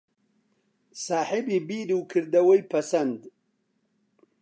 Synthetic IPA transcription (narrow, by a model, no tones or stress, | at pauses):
saːħibibiːɾuwkʰɨɾd̪ɐwɐjpʰɐsɐnd̪